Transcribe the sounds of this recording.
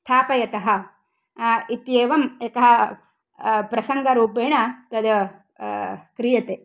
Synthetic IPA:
st̪ʰaːpɐjɐt̪ɐɦɐ̆ | it̪jeːʋɐmekɐɦɐ | pɾɐsɐŋɡɐɾuːpeːɳɐt̪ɐd̪ɐ | kɾijɐt̪eː

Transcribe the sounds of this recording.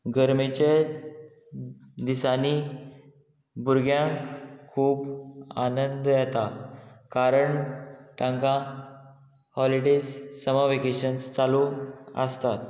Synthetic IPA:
ɡəɾmit͡ɕe | d̪isani | buɾɡjãŋkʰːuːba̰nənd̪jɛt̪akaɾəɳʈãŋkã | hɔliɖesːəmaʋekeɕənst͡saluə̰st̪at̪

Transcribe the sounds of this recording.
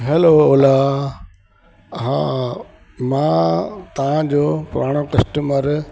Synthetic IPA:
ɦɛlooːla | ɦã | mãːt̪ɐʋ̤ãd͡ʑoːpʊɾaːɽ̃okɐsʈəməɾ

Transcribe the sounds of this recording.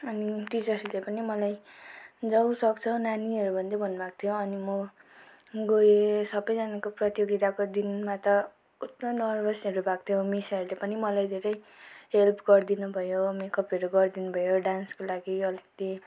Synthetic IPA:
ʌniʈid͡zʌslepʌnimʌlaj | d͡zʌw̃sʌkt͡sʰʌnaniʌɾubʱʌnd̪ʌbʱʌnːbak̚t̪ʰijoʌnimʌ | ɡojesʌbʌjd͡zanakoprʌt̪joɡit̪akod̪inmat̪ʌ | ut̪nonʌrbʱʌsʌɾubak̚t̪ʰijomisʌɾulepʌnimʌlajd̪ʱeɾʌj | ɦelpʰɡʌrd̪inubʱʌjomekʌpiʌɾuɡʌrd̪inubʱʌjoɖanskolaɡiʌlekʌt̪i

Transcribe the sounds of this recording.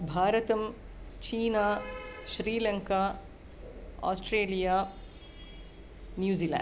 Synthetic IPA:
bʱaːɾɐt̪ɐm | t͡ʃiːnaːʃɾiːlɐŋkaː | a̰ːsʈɾeːlijaː | njuːziːla̰ː

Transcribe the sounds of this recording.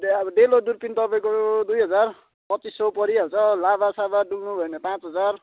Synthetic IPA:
bʌɖelodurpint̪ʌpaĩkod̪ujɦʌd͡zar | pʌtt͡sisːʌpʌɾiɦʌt͡sʰʌlabasabaɖuɡnubʱʌenʌpãt͡sɦʌd͡zar

